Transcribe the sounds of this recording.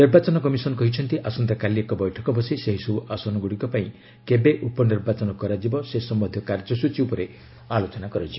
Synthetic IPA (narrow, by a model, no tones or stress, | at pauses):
niɾbat͡ʃɔnɔkɔmisɔnɔkɔɦit͡ʃʰɔnt̪iʔasɔnt̪akaliekɔbɔjʈʰɔkɔbʱɔsiseɦisubuʔasɔnɔɡuɽikɔpaĩ | kebeʔupɔniɾbat͡ʃɔnɔkɔɾad͡ʒibɔsesɔmːɔd̪ʱjɔkaɾd͡ʒɔsut͡ʃiupɔɾe | alot͡ʃɔnakɔɾad͡ʒibɔ